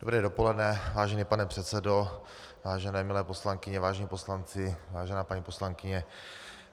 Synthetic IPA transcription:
dobɾɛːdo̞polɛdnɛvaːʒɛniːpanɛpr̝̥ɛt̪t͡sɛdo | vaːʒɛnɛːmɪlɛːposlaŋkɪɲɛvaːʒɛɲiːpo̞slant͡sɪvaːʒɛnaːpaɲiːposlaŋkɪɲɛ

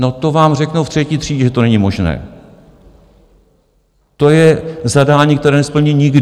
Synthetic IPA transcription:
not̪o̞vaːmrɛknowft̪r̝̥ɛciːt̪r̝̥iːɟɛʒɛt̪onɛɲɪmo̞ʒnɛ̰ː | t̪o̞jɛzadaːɲiːkt̪ɛɾɛːnɛspl̩ɲiːɲɪɡd

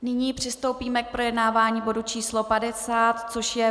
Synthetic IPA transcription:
nɪɲiːpr̝̥ɪst̪o̞wpiːmɛk̚pɾo̞jɛdnaːvaːɲiːbo̞dut͡ʃiːslo̞padɛsaːt̪t͡so̞ʃjɛ

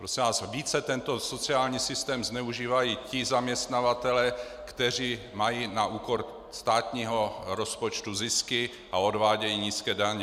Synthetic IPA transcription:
pɾosɛvaːsviːt͡sɛt̪ɛnt̪o̞so̞t͡sɪaːlɲiːsɪst̪ɛːmznɛuʒiːvajiːcɪzamɲɛst̪navat̪ɛlɛː | kt̪ɛr̝iː | majinaʔuːko̞ɾ | st̪aːt̪ɲiːɦo̞ɾo̞spo̞t͡ʃt̪uzɪskɪ | ʔao̞dvaːɟɛjiɲiːskɛːdaɲɛ

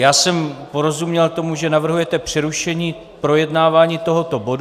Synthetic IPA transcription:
jaːsɛmpo̞ɾo̞zumɲɛlt̪o̞muʒɛnavr̩ɦujɛt̪ɛpr̥ɪɾuʃɛɲiː | pɾo̞jɛdnaːvaːɲiːt̪o̞ɦo̞t̪o̞bo̞d

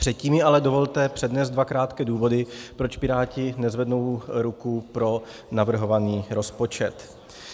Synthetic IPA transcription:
pr̥ɛt̪̚ciːmjɪʔalɛdo̞vo̞lt̪ɛpr̝̥ɛdnɛːzd̪dvakɾaːt̪kɛːduːvo̞dɪpɾo̞t͡ʃpɪɾaːcɪnɛzvɛdno̞wɾukupɾo̞ | navr̩ɦo̞vaniːɾo̞spo̞t͡ʃɛt̪

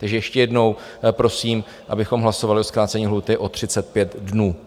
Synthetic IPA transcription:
t̪aɡʒɛjɛʃcɛjɛdno̞w | pɾo̞siːm | ʔa̰bɪxo̞mɦlaso̞valɪʔoskɾaːtt͡sɛɲiːɦluːt̪ɪʔo̞t̪r̝̥ɪt͡sɛt̪̚pjɛt̪dnuː

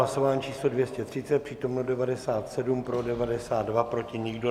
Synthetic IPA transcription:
aso̞vaːnt͡ʃiːslo̞dvjɛscɛt̪r̝̥ɪtt͡sɛt̪̚pr̥iːt̪o̞mnodɛvadɛsaːt̪sɛdumpɾo̞dɛvadɛsaːd̪dvapɾo̞cɪɲɪɡdo

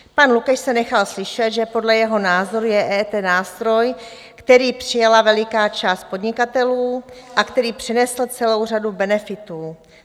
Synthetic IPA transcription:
panlukɛʃsɛnɛxalslɪʃɛt̪ʒɛpo̞dlɛjɛɦo̞naːzoɾujɛʔɛːt̪ɛnaːst̪ɾo̞j | kt̪ɛɾiːpr̝̥ɪjalavɛlɪkaːt͡ʃaːst̪̚po̞dɲɪkat̪ɛluːʔakt̪ɛɾiːpr̝̥ɛnɛsl̩t͡sɛlo̞wradubɛnɛfɪt̪uː

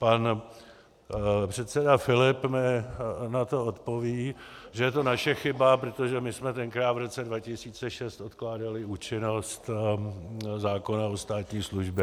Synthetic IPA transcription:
pan | pr̝̥ɛt̪sɛdafɪlɪpmɪnat̪o̞ot̪po̞viːʒɛjɛt̪o̞naʃɛxɪbapɾot̪o̞ʒɛmɪsmɛt̪ɛnkɾaːt̪vɾo̞t͡sɛdvacɪsiːt͡sɛʃɛst̪ʔo̞t̪klaːdalɪuːt͡ʃɪno̞st̪ | zaːko̞nao̞st̪aːt̪ɲiːsluʒbɛ

